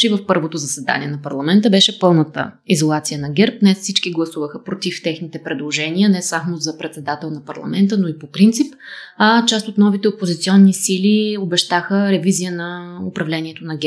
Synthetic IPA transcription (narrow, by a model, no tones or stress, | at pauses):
t͡ʃɛivəfpɤɾvot̪ozəsɛd̪a̰niɛnɐpɐɾlˠɐmɛnt̪əbɛʃɛpɤlˠnət̪ə̰izolˠat̪sijənɐɡʲɛɾp̚d̪nɛsfsit͡ʃkiɡlˠɐsuvəxəpɾot̪ift̪ɛxnit̪ɛpɾɛd̪lˠoʒɛniənɛsamozɐpɾɛt̪sɛd̪at̪ɛlˠnɐpɐɾlˠɐ̰mɛnt̪ənoipopɾint̪sip | t͡ʃast̪ot̪nɔvit̪ɛopozit̪siɔnːisiliobɛʃt̪axəɾɛvizijənɐʊpɾɐvlɛniɛt̪onɐɡʲɛ